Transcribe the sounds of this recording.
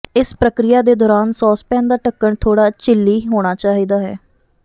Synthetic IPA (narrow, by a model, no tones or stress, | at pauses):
ɪspɾəkɾɪjaːd̪eːd̪ɔːɾaːnsɔːspɛ̃ːnd̪aːʈəkːəɳt̪ʰoːɽaːt͡ʃɪlːiːɦoːɽ̃aːt͡ʃaːɦiːd̪aːɦɛ̰ː